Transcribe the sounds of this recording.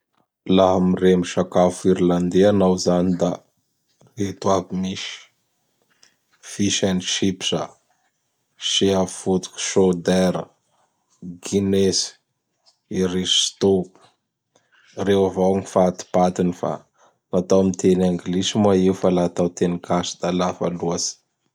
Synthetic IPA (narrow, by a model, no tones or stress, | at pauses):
laɦamiremiʃakafiɾland̪eanawzanid̪a | ret̪uavimiʃi̥ | fiʃaniʃipsa | ʃiafut̪u̥kʲu̥ʃod̪ɛɾə̰ | ɡinesi̥ | iɾist̪o | rewavawŋifat̪i̥pat̪inifa̰ | nat̪awamit̪enaŋɡlisimuaiufalat̪awt̪enikʰasi̥d̪̥alafa̰luasi̥